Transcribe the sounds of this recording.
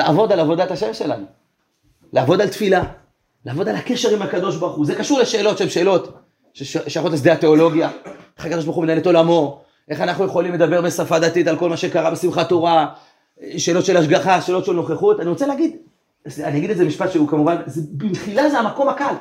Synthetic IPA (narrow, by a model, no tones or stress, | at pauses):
laʔavo̞d̪alavo̞d̪at̪aʃemʃe̞lanu | leavo̞dalt̪fila | leːvo̞d̪alake̞ʃe̞ʁimhakad̪o̞ʃbaʁχuzekaʃuʁleʃe̞ːlo̞tʃeemʃeːlo̞t̪ | eʃeaχot̪asdeat̪e̞o̞lo̞ɡjaeχakad̪oʃ̬baʁχumenaeleto̞lamo̞ | ʔe̞χanaχnujeχolimle̞d̪abe̞ʁbesafad̪at̪it̪alko̞lmaʃekaʁabesimχat̪oʁa | ʃe̞ːlo̞t̪ʃe̞laʃ̬ɡaχaʃeːlo̞t̪ʃelno̞χeχut̪aniʁot͡seleːɡid̪ | aniaɡid̪ezemiʃpat̪ʃeukamuvanzebitχilazeamako̞mhakal